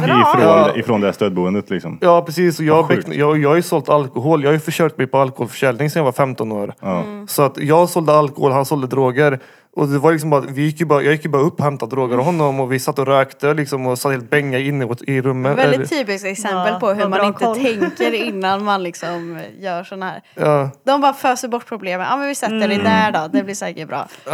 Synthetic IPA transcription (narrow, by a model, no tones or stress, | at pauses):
fɾːɪfɾɔnd̪ɛæst̪øːd̪̚buːənd̪ət̪lɪksɔmjɑːpɾɛsiːsɔjɑːbɛjɑjɑːɡhajʉsɔlt̪alkʊɦoːljɑːhajʉfœʂøːɡt̪mɛjpɔalkʊhoːlfœ̥ʂɛlnɪŋsɛnjavaɾfɛmt̪ɔno̰ːɾsɔat̪jɑːɡsɔld̪əalkʊhoːlhansɔld̪əd̪ɾoːɡəɾ | ʔɔd̪ɛvaɾlɪksɔmbɑːɾat̪vɪjɪkːjɵbɑːɾajʔɑːɡjɪkːjɵbɑːɾaɵpːɔhɛmt̪ad̪ɾoːɡəɾɔmɦɔnːɔmɔvɪsat̪ːəɔɾøːkt̪əlɪksɔmɔsat̪ːheːlt̪̚bɛŋːaɪnːɪɔt̪ɪɾɵmːəvɛlɛɪt̪ʰːyːpɪskɛksɛməlpʰɔɦɵmanɪnt̪ʰɛŋkəɾɪnːanmanlɪksɔmjœːʂɔnahæ̰ːɾɑːd̪ɔmbɑːɾaføːsəɾbɔʈ̚ːpʰɾʊbleːmənɑ̰ːmɛnvɪsɛt̪ːəɖɛd̪æːɖɔd̪ɛblɪʂɛːkəɾbɾɑ̰ː